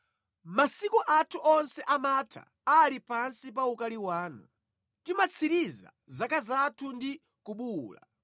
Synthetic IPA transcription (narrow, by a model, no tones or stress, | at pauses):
masikuʔatʰuʔɔnsɛʔamatʰa̰ | alipansipaukaliwaːnu | timat͡sʰiɾiza̰ | zakazatʰundi | kuɓuːla̰